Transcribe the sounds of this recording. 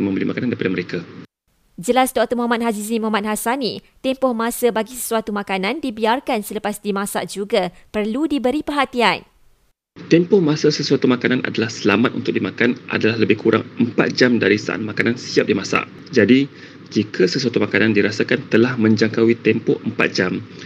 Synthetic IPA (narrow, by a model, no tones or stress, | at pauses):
mə̃mbəlimakanandaɾipadaməɾeka | d͡ʒəlasdoakt̪omɔɦamat̪̚hazizimɔɦamat̪̚hasanit̪ɛmpɔhmãsəbaɡisə̥suwat̪umãkanãndibiarkansələpasdimãsaʔd͡ʒuɡapərludibəɾipərɦat̪ian | t̪empɔhmãsəsəsuat̪umãkanana̰dalahsəlamat̪̚ṵnt̪ʊk̚dimakanʔa̰dalahləbɪhkuɾʔa̰ŋəmpa̰t̪̚d͡ʒamdaɾisa̰ʔa̰t̪̚makanansiap̚dimãsa̰ʔ | d͡ʒadi | d͡ʒikʰasəsuat̪umakanãndiɾasakant̪əlahmə̃ɲd͡ʒaŋkawit̪ɛmpɔ̰əmpa̰t̪̚d͡ʒam